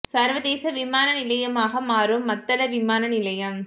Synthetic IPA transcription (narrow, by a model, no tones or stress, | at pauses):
saːɾʋɐd̪eːsɐʋɪmaːnɐnɪlɐjɐmaːɣɐmaːɾɯmːɐt̪ːɐlɐʋɪmaːnɐnɪlɐjɐm